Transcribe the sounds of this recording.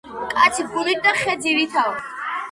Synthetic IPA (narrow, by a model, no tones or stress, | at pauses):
kʼat̪sʰiɡuliɾ̚d̪aχɛd̪ivit̪ʰaɔs